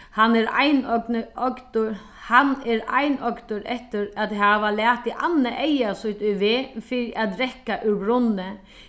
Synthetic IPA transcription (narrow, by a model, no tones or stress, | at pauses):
hanːɛɾa̰jnɔknɔkt̪ʊ | hanɛɾa̰jnɔkt̪ʊɾɛht̪ɪɾat̪ɦaʋalæːht̪iʔanːaʔejasʊht̪ʊjʋeːfiːɾiʔat̪ɾɛhkaʔʉɾbɾʊnɪ